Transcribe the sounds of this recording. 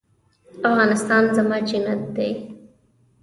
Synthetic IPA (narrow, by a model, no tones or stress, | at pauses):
afɣɑnɪst̪ɑnzamɑd͡ʒinat̪̚d̪aj